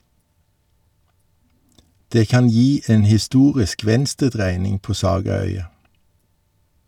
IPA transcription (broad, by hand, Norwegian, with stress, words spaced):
ˈdeː ˈkɑn ˈjiː ˈeːn hɪˈstuːʁɪsk ˈʋɛnstəˌdʁæɪnɪŋ ˈpoː ˈsɑːɡɑˌœʏɑ